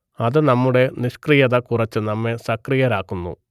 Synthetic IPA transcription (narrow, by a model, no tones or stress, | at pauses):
ɐðɨnɐmːuɽe̞niɕkrijɐðɐkurɐt͡ɕːɨnɐmːe̞sɐkrijɐɾaːkːunːṵ